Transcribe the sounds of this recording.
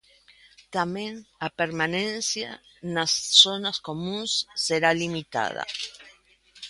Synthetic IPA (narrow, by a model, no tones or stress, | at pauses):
t̪amjẽnapeɾmanẽnsja̰ | nasːonasko̞mũnsːeɾalimit̪a̰ð̞a̰